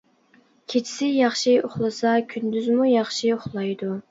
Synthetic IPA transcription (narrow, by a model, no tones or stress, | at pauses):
kʲʰet͡ʃʰɪ̥sɪjɑχʃioχlˠɨsɑkʲʰynd̪yzmujɑχʃioχlˠɑjd̪u